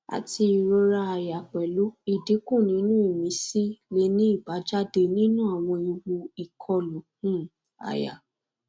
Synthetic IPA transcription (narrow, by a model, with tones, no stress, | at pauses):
a̰˨ti˧i˨ɾo˧˦ɾa˧a˧ja˨k͡pɛ˨lo˨˦i˨de˨˦kũ˦˨nĩ˨˦nũ˦i˦˨mĩ˨˦si˦le˦nĩ˦i˦˨ba˨˦d͡ʒa˦de˧nĩ˦nũ˦a˦˨w̃ɔ̃˧i˧wu˧i˨kʰɔ˧lo˨˦hũ˦ | a̰˨ja̰˨